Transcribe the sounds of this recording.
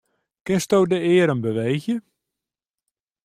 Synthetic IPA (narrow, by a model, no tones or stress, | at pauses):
kɪnstowdəɪːəɾənbəʋejxjə